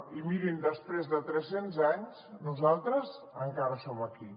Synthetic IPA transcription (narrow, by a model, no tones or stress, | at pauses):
imiɾind̪əspɾezðət̪ɾɛsenzaɲsnuzalˠt̪ɾəz | əŋkaɾəsoməki